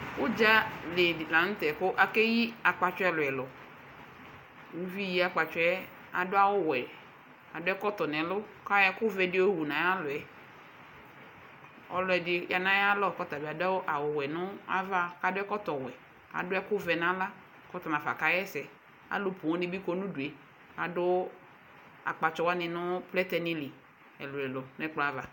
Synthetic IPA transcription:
kʊ˦d͡ʒa˦lɪ˨la˨n̩˦t̪ɛ˨kʊ˦ʔa˨ke˦ji˦a˨k͡pa˨t͡ʃʊ˦ɛ˦lʊ˨ɛ˨lɔ˨ | ŋu˦vi˦ji˦a˨k͡pa˨t͡ʃʊ˦ɛ˦ | a˨dʊ˦a˦wʊ˦wɛ˨ | a˨dʊ˦ɛ˦kɔ˦t̪ɔ˨nɛ̃˨lʊ˦ka˦jɛ˦kʊ˦vɛ˨dɪ˦o˦wu˨nã˨ja˦lʊ˨ɛ˨ | ɔ̰˦lʊ˨˦ɛ˨dɪ˦ja˨nã˦ja˦lɔ˦kɔ˦t̪a˨bi˨a˨da˦wʔa˨wʊ˨wɛ˨nʊ̃˦a̰˦va˦ka˦dʊ˦ɛ˦kɔ˦t̪ɔ˨wɛ˨ | a̰˨dʊ˦ɛ˦kʊ˦vɛ˨nã˦la˦ | kɔ˦t̪ɔ˨m˨ã˨fa̰˨ka˦jɛ˦sɛ˨ | a̰˨lʊ˦pu˨ɔ̃˦nɪ˦bi˦kɔ˦nũ˦du˨e˨ | a˨dʊ˦ | a̰˨k͡pa˨t͡ʃɔ˨wa˦nɪ̃˨nʊ̃˦plɛ˦t̪ɛ˦nĩ˦li˨ | ɛ˨lʊ˨ɛ˨lɔ˨n˦ɛ˦k͡plɔ˦a˦va˨

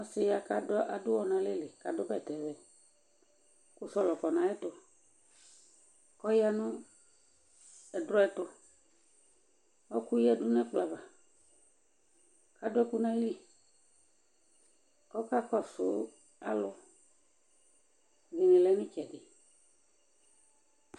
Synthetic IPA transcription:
ɔ˦sɪ˦ja˨ka˦dʊ˦ʔa˨dʊ˦wɔ˦nã˨le˦lɪ˨ka˨dʊ˦bɛ˦˨tɛ˨vɛ˨ | kʊ˨sɔ˦lɔ˨kɔ˨nã˨ɛ˦tʊ˦ | kɔ˦ja˦nʊ̃˦ | ɛ˨dɾɔ˦ɛ˦tʊ˦ | ɔ˦ku˦jɛ˦˨dʊ˦n˦ɛ̃˦k͡pla˨va˨ | ka˨dʊ˦ɛ˦ku˦nã˦li˦ | kɔ˦ka˦kɔ˦sʊ˨˦ | a˦lʊ˦ | ɡi˨nĩ˨lɛ˨˦nʊ̃˦t͡ʃɛ˨dɪ˨

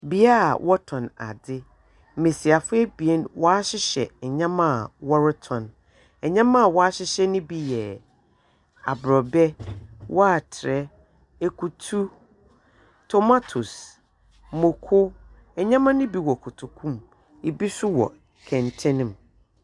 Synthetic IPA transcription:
bi˨˦a̰˦˨wʔɔ˦tʰɔ̃˨na̰˨dɪ˦ | m̩˨me˨si˨a˨fʊ˦ɛ˦bi˨ɛ˦nwɔ˦a˦ɕɪ˦ɕɛ̰˨ɛ˨ɲã˦mã˦a˨wɔ˦ɾɪ˦tʰɔ̃˨n | ɛ˨ɲã˦mã˦a˨wɔ˦a˦ɕɪ˦ɕɛ˦nʊ̃˦bi˦jɛ˨ | a̰˨bɾɔ˨bɛ˦wʔɔ˦a˨tʰɪ˨ɾɛ˦ | e˨kʰu˨tʰu˦ | tʰɔ˦ma˦tʰu˨s | mʊ̃˨kʰʊ˦ | ɛ˨ɲã˦mã˦nʊ̃˦bi˨wɔ˨kʰʊ˨tʰu˨kʰũ˦m | i˨bi˦sʊ˦wɔ̰˨ | kʰɛ̃˨ntʰɛ̃˦nɪ̃˨m

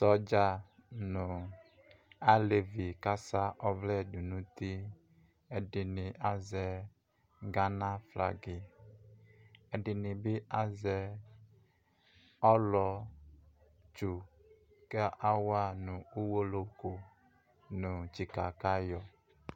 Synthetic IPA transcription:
sɔ˦d͡ʒa˦ | nʊ̃˨ | a˦le˨vi˨ka˦sa˦ʔɔ˦vlɛ˦˨du˨nũ˦t̪i˦ | ɛ˨dɪ˨nɪ̃˨ʔa˦zɛ˨ | ɡa˦nã˦fla̰˨ɡɪ˨ | ɛ˨dɪ˨nɪ̃˨bɪ˦a˦zɛ˦ | ɔ˦lɔ˨ | t͡ʃu˨ | kɛ˦a˦wa˦nʊ̃˨u˦wo˦lo˨ko˨ | nʊ̃˨t͡ʃi˨ka˨ka˦jɔ˨

